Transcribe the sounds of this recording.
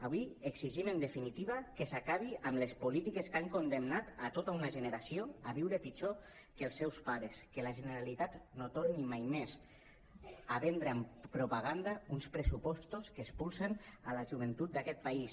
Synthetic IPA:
aβwiekziʒimənd̪efinit̪iβakesakaβiʔamlespulit̪ikeskaŋkond̪emnat̪at̪ot̪aunaʒəneɾasioaβiwɾəpit͡ʃo | kəlˠsːɛwspaɾeskəlaʒeneɾalit̪at̪not̪oɾnimajmez | aβɛnd̪ɾeampɾupaɣand̪aunspɾəsupɔst̪oskeːspulˠsenalaʒuβ̞ent̪ut̪̚d̪akɛt̪̚pais

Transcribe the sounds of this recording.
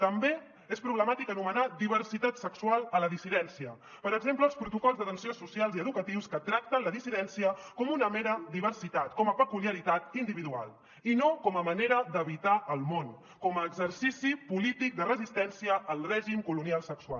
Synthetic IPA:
t̪əmbe | espɾuβləmat̪ikənumənad̪iβ̞ərsit̪at̪səkswalˠələðisiðɛnsiə | pəɾəɡzempləːlˠspɾut̪ukɔlˠzðət̪ənsionsusialˠziəðukət̪iwskət̪ɾak̚t̪ənləðisiðɛnsiəkɔmunəmeɾəd̪iβ̞ərsit̪at̪kɔməpəkuliəɾit̪at̪ind̪iβiðua̰lˠ | inokɔməməneɾəd̪əβit̪aʔəlˠmon | kɔməːɡzəɾsisipulit̪ik̚d̪ərəzist̪ɛnsiəʔːlˠrɛʒimkulunialˠsəksuwa̰l

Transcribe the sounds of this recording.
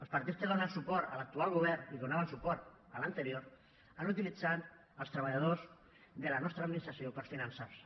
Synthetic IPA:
əlˠspaɾt̪it̪skeðonansupɔɾalak̚t̪ualˠɣuβ̞ɛɾniðunaβənsupɔɾt̪ | ələnt̪əɾjoɾ | anut̪ilid͡zan | əlˠst̪ɾəβ̞aʎað̞oz | ðelanɔst̪ɾad̪minist̪ɾasjopəɾsfinansaws

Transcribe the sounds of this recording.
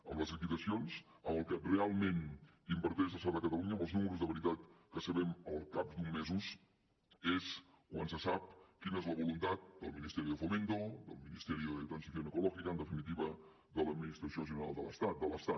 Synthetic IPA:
ə̰mləzlik̪it̪əsions | əməlˠkərealˠmen | impəɾt̪ezəsad̪əkət̪əluɲəməlˠznuməɾuzðəβəɾit̪at̪kəsəβɛməlˠkap̚d̪umːezus | es | kwansəsap̚kinəezləβulunt̪at̪̚d̪əlˠminist̪ɛɾiðəfoment̪od̪ə̰lˠminist̪ɛɾiðət̪ɾənsiθjonəkulɔʒikəːnd̪əfinit̪̬iβə | ðələd̪̚minist̪ɾəsioəsiunəna̰lˠd̪ələst̪at̪̚d̪ələst̪a

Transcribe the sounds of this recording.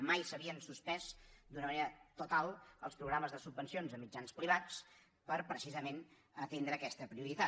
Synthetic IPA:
majsəβiənsuspɛzd̪unəməneɾət̪ut̪alˠəlˠspɾuɣɾaməzðəsubːənsionzəmid͡ʒanspɾiβat͡s | pəɾpɾəsizəmen | ət̪end̪ɾəːkɛst̪əpɾiuɾit̪a

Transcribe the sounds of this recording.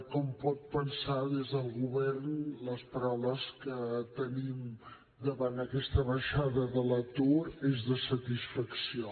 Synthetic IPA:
kɔmpɔt̪̚pənsaðezðəlˠɣuβɛrnləspəɾawləskət̪ənim | d̪əβanəkɛst̪əβəʃaðəðələt̪uɾezðəsət̪isfəksio

